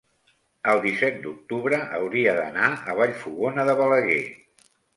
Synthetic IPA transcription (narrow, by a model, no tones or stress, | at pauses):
əlˠd̪isɛt̪̚d̪uk̚t̪uβɾəʔəwɾiəðə̰naəβ̞aʎfuɣonəðəβələɣḛ